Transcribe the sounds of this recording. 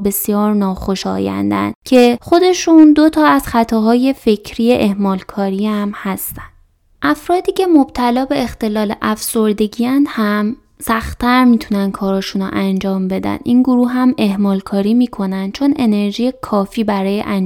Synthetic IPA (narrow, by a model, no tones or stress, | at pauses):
be̞sjɒːɾnɒːxo̞ʃɒ̰ːjæ̰nd̪æ̰nd̪cʰe̞xo̞d̪e̞ʃund̪o̞t̪ʰɒːæz̥xæt̪ʰɒːɦɒːje̞fe̞cʰɾiːjeʔehmɒːlkʰɒːɾiæmhæst̪ænd̥̪ | ʔæfɾɒːd̪iːcʰe̞mob̥̚t̪ʰælɒːbe̞ext̪e̞lɒːleʔæfso̞ɾd̪e̞ɟijænd̪hæm | sæxt̪ʰæɾmiːt̪ʰunænd̪̚kʰɒːɾɒːʃuːno̰ʔænd͡ʒɒːmbe̞d̪æ̰nʔinɡoɾuːɦæme̞hmɒːlkʰɒːɾiːmiːkʰo̞nænd̪̥̚t͡ʃʰo̞ne̞ne̞ɾʒiːje̞kʰɒːfiːbæɾɒːjḛʔæn